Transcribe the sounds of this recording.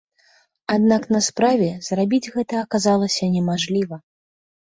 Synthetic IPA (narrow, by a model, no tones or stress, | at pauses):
ad̪naknɐspɾavʲɛz̥rabʲid͡zʲɣɛt̪ɐɐkazalˠɐsʲɐnʲɛmaʐlʲivɐ